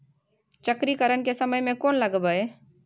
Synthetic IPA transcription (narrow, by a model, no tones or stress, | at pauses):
t͡ʃəkɾikəɾənkesəməjmẽkoːnləɡbae